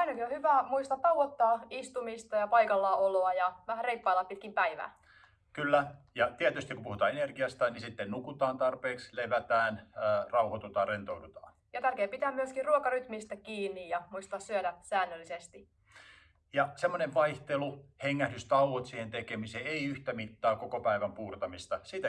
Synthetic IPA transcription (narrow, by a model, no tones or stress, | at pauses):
ænykohyʋæːmuist̪ɑt̪t̪ɑuʋot̪ːɑːist̪umist̪ɑjɑpɑikɑlːɑoloɑjɑʋæhæreipːɑilːɑppit̪̚kimpæiʋæ̰ː | kylːæjɑt̪iæt̪yst̪ikupuhut̪ɑ̰ːenerɡiɑst̪ɑnisit̪ːennukut̪ɑːnt̪ɑrpeːksleʋæt̪æːnːrɑuhot̪ut̪ɑːrent̪oudut̪ɑ̰ː | jɑt̪ærkeːpit̪æːmyøskiruokɑryt̪mist̪ækiːnːijjɑmuist̪ɑːssyødæsæːnːølːisest̪i | jɑsemːoneʋʋɑiht̪eluheŋːæhdyst̪ɑuʋot̪siːhent̪ekemiseːeiyht̪æmit̪ːɑːkokopæiʋæmpuːrt̪ɑmist̪ɑsiːt̪æ